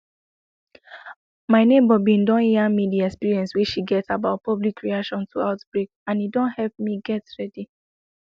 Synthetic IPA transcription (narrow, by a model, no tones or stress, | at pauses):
maɪnẽbɔbĩndɔ̃niamidiɛkspiɹiɛ̃nsweʃiɡɛtsabaʊt̚pɔblikʰːɹiaʃɔ̃ntʰuaʊtb̥ɹekãnidɔ̃nhɛlp̚miɡɛtɹɛdi